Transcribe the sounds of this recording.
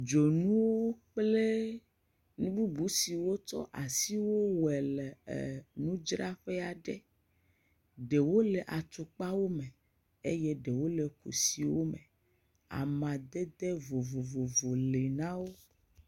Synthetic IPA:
d͡ʒo˨nũ˦wo˦k͡ple˦ | nũ˦bu˦bu˨˦si˨wo˦t͡ʃɔ̰˦ʔa˨si˦wo˦wɛ˨lɛ̰˨nũ˦d͡ʒɾa˦ɸɛ˦a˨ɖḛ˦ | ɖe˨wo˦le˨ʔa˨t̪u˨k͡pa˦wo˦me˨ | e˦jɛ˦ɖe˨wo˦le˨kṵ˨si˨wo˦me˨ | a̰˨mã˨d̪ɛ˦d̪e˦vo˨vo˨vo˨vo˨le˨nã˦wo˦

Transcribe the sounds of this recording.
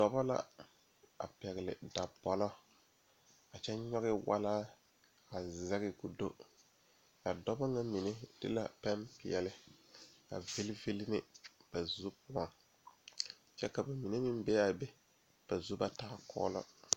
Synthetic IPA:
dɔ˦bɔ˦la̰˦ | a̰˨pɛ˨ɣɪ˨lɪ̰˨da˨bɔ˦lɔ˦ | a˨t͡ʃɛ˦ɲɔ˦ɣɪ˦wa̰˦laː˦ | a˨za˦ɣɪ˦ku˨do˦ | a˨dɔ˦bɔ˦ŋa˦mi˨ne˦d̥ɪ̰˦la̰˨pa˦mpɪ̰˨ɛ˨lɪ˦ | a̰˨ve˦lɪ˦vi˦lɪ˦nɪ˦b̥a˨zu˦pʊ˦ɔ˨ŋ | t͡ʃɛ˦ka˨ba˨mi˨ne˦mɪ˦mbɛ˦a˨bɛ˦ | b̥a˨zu˦ba˦taː˦kɔ̰ː˦lɔ̰˦

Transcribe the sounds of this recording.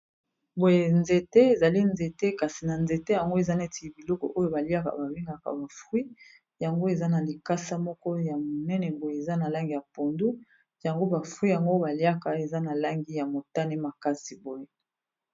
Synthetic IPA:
bo˨je˨nze˨te˦e˨za˨li˦nze˨te˦ka˨si˨na˨nze˨te˦ja˨ŋɡo˦e˨za˦ne˦ti˨bi˨lɔ˦kɔ̰˨ʔo˦jo˦˨ba˨li˦a˦ka̰˨ba˨bi˦ŋɡa˨ka̰˨ba˨fʁwi˦ | ja˨ŋɡo˦e˨za˦na˨li˨ka˦sa˦mɔ˦kɔ˦ja˨mo˨nɛ˦nɛ˨bo˨je˨za˦na˨la˦ŋɡi˨ja˨po˨ndu˦ | ja˨ŋɡo˦ba˨fʁwi˦ja˨ŋɡo˦ba˨li˦a˦ka˨e˨za˦na˨la˦ŋɡi˦ja˨mo˨ta˦ne˦ma˨ka˦si˨bo˦je˦

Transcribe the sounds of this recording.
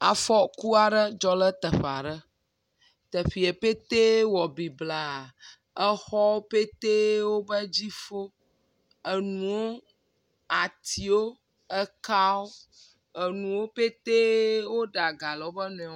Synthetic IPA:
a˨fɔ˦ku˦a˨ɖə˦d͡ʒɔ˦lə˦t̪ə˨ɸa˨ɖə˦ | t̪ə˨fi˨e˨pe˦t̪e˦wɔ˨bi˨bla˨ | ə˦xɔ˦wo˦pe˦t̪e˦wo˦bə˦d͡ʑi˦fo˦ | ə˨nũ˨wo˦ | a˨t̪ʰi˨wo˦ | ə˦ka˦wo˦ | ə˨nũ˨wo˦pe˦t̪e˦wo˦ɖa˨ɡa˨lə˨wo˦bə˦nɔ̃˨ɛ˨˦

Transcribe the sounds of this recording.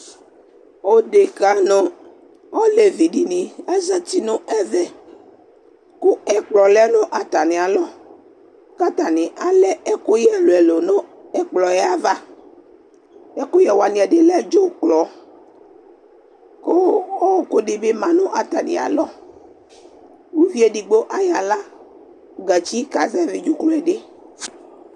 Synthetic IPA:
o˦ɖe˨ka˨˦nõ˨˦ | o˦le˨vi˨ɖi˨nĩ˨a˦zɛ˦t̪i˨nõ˦ɛ˦vɛ˨ | ku˦ɛ˦k͡plɔ˨lɛ˦nõ˦ʔa˨t̪a˨nĩ˨a˨lɔ˦ | ka˦t̪a˨nĩ˨ʔa˨lɛ˦e˦ko˦jɛ˦lo˨ɛ˨lo˨nõ˦ɛ˦k͡plɔ˨jɛ˦a˦va˦ | e˦ko˦jɛ˨wa˨nĩ˨ɛ˨de˦lɛ˦d͡ʒo˦k͡plɔ˨ | ko˦o˦ko˦ɖɪ˨be˦mã˨nũ˦ʔa˨t̪a˨nḛ˨a̰˨lɔ˦ | wu˦vi˦e˨ɖi˨ɡ͡bo˦ʔa˦ja˨la˦ | ɡa˨t͡ʃi˦ka˨zɛ˦vi˨d͡ʒu˦klɔ˦ɛ˨ɖe˦

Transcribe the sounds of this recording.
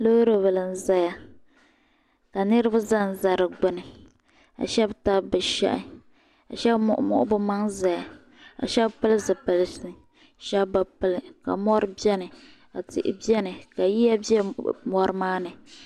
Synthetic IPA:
lo˦ɾo˨vɨ˨lɨ˨n̩˨za˦ja˦ | ka˨nɨ˦ɾɨ˦ba˦za˦n̩˨za˨ɾɨ˨ɡ͡bʊ˨nɨ˨ | a̰˨ʃɛ˦bta˦bɨ˨ʃɛ̰˦ʔɪ̰˨ | a̰˨ʃɛ˦bʔmʊ̰˦ʔʊ˦bʊ˦ma˦ŋza˨ja˨ | a̰˨ʃɛ˦bpɨ˦lzɨ˨pɨ˨lsnɨ˨ | ʃɛ˦bba˨pɨ˦lɨ˨ka̰˨mɔ˦ɾɨ˦bi˦ɛ˦nɨ˨ | a˨tɪ̰˦˨ʔɪ̰˦bɛ˦nɨ˨ka˨ji˦ja˦bɛ˦mɔ˦ɾɨ˦maː˦nɨ˨

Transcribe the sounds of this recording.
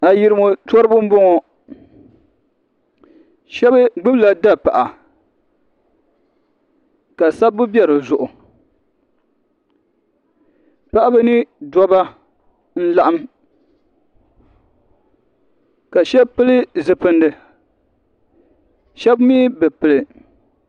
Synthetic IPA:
a˨ji˨ɾɨ˦mo˨tɔ˦ɾɨ˦bʊ˦m̩˦bɔ˦ŋɔ˨ | ʃɛ˦bɨ˦ɡ͡bɨ˦bla˨da˦pa˨ʔa˨ | ka˨sa˦bbːʊ˦bi˦ɛ˦ɾɨ˨zʊ˨ʔʊ˨ | pa˦ʔa˦bɨ˦nɨ˦dɔ˦ba˦ | n̩˦la˦ʔa˦m | ka˨ʃɛ˦pɨ˦lɨ˦zɨ˨pɨ˨ndɨ˨ | ʃɛ˦bmi˦bɨ˨pɨ˨lɨ˨

